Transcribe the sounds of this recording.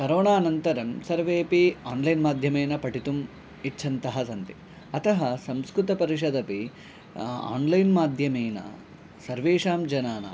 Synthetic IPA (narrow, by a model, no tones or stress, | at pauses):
kɐɾoːnaːnɐnt̪ɐɾɐmsɐɾʋeːpiaːnlɐjnmaːd̪ʱjɐmeːnɐpɐʈit̪um | it͡ʃːʰɐnt̪ɐɦɐsɐnt̪i | ɐt̪ɐɦɐsɐmskɾut̪ɐpɐɾiʂ̬ɐd̪ɐpi | a̰ːnlɐjnmaːd̪ʱjɐmeːnɐ̰ | sɐɾʋeːʂaːmd͡ʒɐnaːnɐ̰